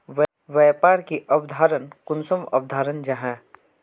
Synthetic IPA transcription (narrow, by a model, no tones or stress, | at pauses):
ʋ | ʋɛjpaːɾkiʔɐbd̪ʱaːɾənkʊnsəmɐ̰bd̪ʱaːɾənd͡ʒaɦɛ̃ː